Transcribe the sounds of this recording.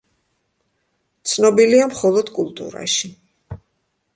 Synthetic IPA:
t̪sʰnɔbiliamχɔlˠɔd̪kʼulˠt̪ʼṵɾa̰ʃi

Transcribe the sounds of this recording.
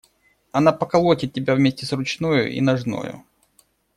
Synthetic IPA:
ɐnapəkɐlˠotʲɪt̪̚tʲːɪbʲavmʲesʲtʲɪsrʊt͡ɕnojʊ̰ʔḭnɐʐno̰jʊ̰

